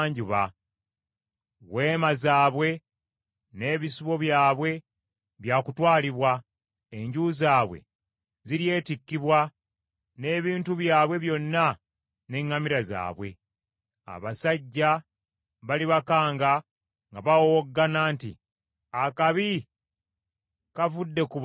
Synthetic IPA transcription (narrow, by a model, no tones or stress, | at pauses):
ɲɟuβa | we̞ːmazaːβwe̞ | ne̞ːβisiβo̞βjaːβwe̞ | βjaːkutwaːliβwa | eɲɟuzaːβwḛ | ziɾje̞ːtikːiβwa | ne̞ːβiːntuβjaːβwe̞βjo̞nːa | ne̞ŋːamiɾaza̰ːβwe̞̰ | a̰βasaɟːa | βaliβakaːŋɡa | ŋɡaβawooɡːanaːntḭ | akaβi | kavudːe̞kuβ